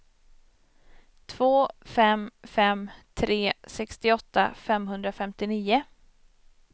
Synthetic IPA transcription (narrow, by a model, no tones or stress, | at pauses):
t̪ʰv̥oːfɛmfɛmt̪ʰɾeːsɛkst̪ɪɔt̪ːa̰fɛmɦɵnd̪ɾafɛmt̪ɪniːʊ